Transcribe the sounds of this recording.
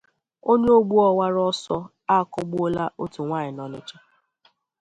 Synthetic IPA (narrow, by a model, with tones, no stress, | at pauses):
o˦ɲe˦o˦ɡ͡bu˦ɔ˨wa˦ɾɔ˦sɔ˦ | a˦˨kɔ˦ɡ͡bo˦la˦ʔo˦tu˨ŋʷa˦ɲɪ˨nɔ˨nɪ̰˦t͡ʃa˦